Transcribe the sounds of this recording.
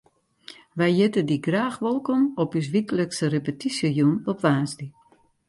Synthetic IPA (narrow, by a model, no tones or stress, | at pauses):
ʋɛjjɪtədiɡraːxʋolˠkɔmɔpys̬ʋikələksərepətisjəjunɔpʋaːnsdi